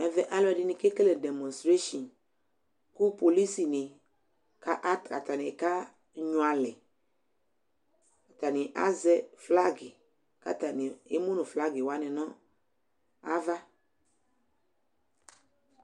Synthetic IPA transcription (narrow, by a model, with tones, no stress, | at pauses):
ɛ˨vɛ˨ʔa˦lɔ˦ɛ˨dɪ˦nɪ̃˨ke˦ke˦le˨dɛ˨mɔ̃˨stɾe˦ʃɔ̃˨n | ku˦po˨li˦si˨nɪ̃˨ | ka˦ʔa˦˨ka̰˨ta˨nɪ̃˨ka˦ | ɲũ˨a˨lɪ˨ | ka˨ta˨nɪ̃˨ʔa̰˦zɛ˦fla˦ɡɪ˨ | ka̰˦ta˨nɪ̃˨e˦mo˦nũ˨fla˦ɡɪ˨wa˦nɪ̃˨nɔ̃˦ | a˦va˦